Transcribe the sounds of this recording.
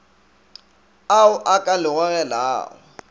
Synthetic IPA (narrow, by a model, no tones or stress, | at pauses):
aʊʔakʼalɪɣɔɣɛla̰ːwʊ̰